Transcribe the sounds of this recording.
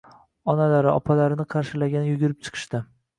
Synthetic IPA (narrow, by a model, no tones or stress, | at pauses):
ɒnalaɾɪɒpʰalaɾɪnɪqʰɑɾʃɪlaɡʲanɪjʊɡʲʊɾɪp̚t͡ʃʰɨ̥qʰɨ̥ʃt̪ɪ